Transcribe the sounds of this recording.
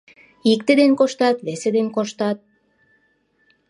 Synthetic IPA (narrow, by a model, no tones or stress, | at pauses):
ik̚t̪ed̪enkoʃt̪ɑt̪βesed̪enkoʃt̪ɑt̪̚